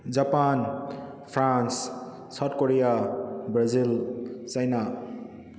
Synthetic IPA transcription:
d͡zapan | pʰɾans | sat̚koɾijabɾazilt͡sʌjna

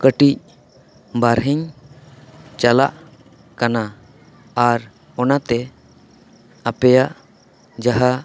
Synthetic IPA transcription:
kəʈic̚ | baɾɦəɲ | t͡ʃalaʔ | kanaː | ɾ | ɔnat̪ɛ | apɛjaʔ | d͡ʒaɦa

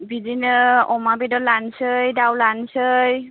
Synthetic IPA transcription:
bidinɯɔmabedɔlansɯjdawlansɯj

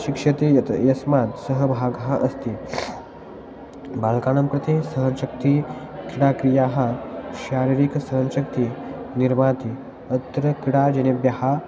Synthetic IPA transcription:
ɕikʂɐt̪ejɐsmat̪səɦəbʱaɡɦaʔəst̪i | balkanəmpɾɐt̪esəɦənʃək̚t̪i | kiɽakɾijaɦaɕaɾiɾiksəɦənʃək̚t̪iniɾmat̪i | ət̪ːɾəkiɽad͡ʒenebjɐha

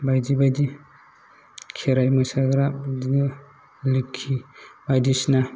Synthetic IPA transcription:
bajdibajdi | kʰeɾajmasaɡɾadin | likʰːibajdisna

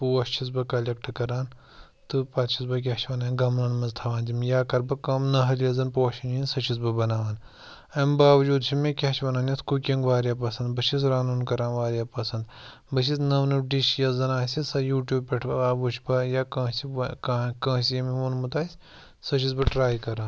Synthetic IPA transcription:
puːɐʃt͡ʃʰis̬bɐkɐlʲɐk̚ʈʰɨkɐɾaːn | t̪ɨpɐt̪t͡ʃʰisbɐk̬ʲat͡ʃʰʋɐnãːɡɐmnɐnmɐzt̪ʰɐʋaːnzʲimjaːkɐɾbɐkɐmnɐɦɐljɐzɐnpoːɐʃʰininsɐt͡ʃʰis̬bɐbɐnaːʋaːn | ɐmbaːʋd͡ʒuːd̪t͡ʃʰimekʲaʃʋɐnaːnjit̪ʰkukʲɐŋɡʋaːɾʲjaːp̬ɐsɐnd̪bɐʃʰis̬ɾaːnuːnkɐɾaːnʋaːɾʲjaːpɐsɐnd̪ | bɐʃʰisnɐʋnɨɖiʃjɐzɐnaːsʲisɐjuːʈjuːb̚pʲeʈʰʋɐaːbuʃʰbɐjaːkɐ̃ːsikːkɐ̃ːsijɐmiʋunmut̪aːsʲ | sɐʃʰisbɐʈɾaːjkɐɾaːn

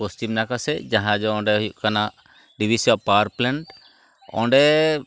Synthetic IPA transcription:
ɔstumnakasɛd͡ʒãɦãd͡ʒɔɔ̃ɖɛɦujuʔkana | ɖibʱisiapaɾplɛɳʈ | ɔ̰̃ɳɖɛ

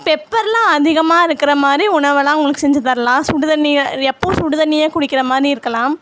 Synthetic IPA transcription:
pɛpːɐɾlãːɐðɪɣɐmaːɪɾɯkːɪɾɐmaːd̪ɾiʊɳɐɾʋɐlãːʊŋɡɐɭɯkːɯsɛɲd͡ʒɐt̪ɐɾlãːsʊɽɯðɐnːiɛpːosʊɽɯðɐnːɪjeːkʊɽɪkːɪɾɐmaːd̪ɾiɪɾɯkːɐlãːm

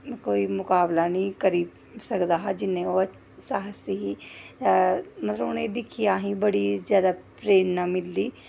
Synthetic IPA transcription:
koːiːmʊkaːblanĩːkəɾiːb | səkd̪aːɦad͡ʒɪnːẽoː | saːɦəsiɦiː | mət̪ləbʊnẽd̪ɪkʰijaːɦĩːbəɽiːzjaːd̪apɾeːnːaːmɪlːiː

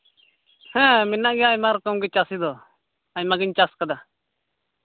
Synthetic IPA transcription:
hɛ̃mɪnaʔɡiajmaɾkəmɡit͡ʃasid̪o | amaɡɪɲt͡ʃaskəd̪a

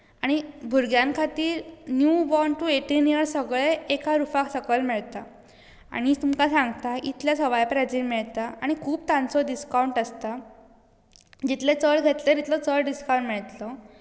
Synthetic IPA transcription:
aɽ̃ibʱuɾɡjãnkʰat̪iːɾnjubɔɳʈueʈinijəɾsəɡɭeekʰaɾufaksəkəlmiɭt̪a | a̰ɽ̃it̪umkasãŋɡt̪ait̪ljasəʋajpɾad͡ʑiːnmiɭt̪aaɽ̃ikʰuːb̚t̪ãnt͡sɔɖiskawɳʈəst̪a | d͡ʑit̪let͡səɭɡʱet̪leɾit̪lɔt͡səɭɖiskawɳʈmiɭt̪lɔ

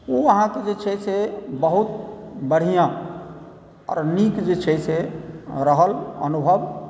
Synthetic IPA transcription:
oəɦãked͡ʒet͡ʃʰɛsʰebəɦut̪̚bəɽ̤ijã | ɔ̰ɾnikd͡ʒet͡ʃʰɛsʰeɾəɦələ̰nubʱəb

